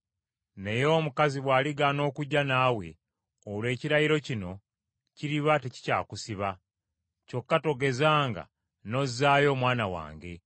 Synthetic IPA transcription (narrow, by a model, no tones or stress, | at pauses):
ne̞jo̞ːmukaziβwaːliɡano̞ːkuɟːanaːwe̞̰ | olwe̞ːciɾajiɾo̞cino̞ | ciɾiβate̞ci̥ca̰ːkusiβa | co̞kːato̞ɡe̞zaːŋɡa̰ | no̞zaːjo̞ːmwaːnawa̰ːŋɡe̞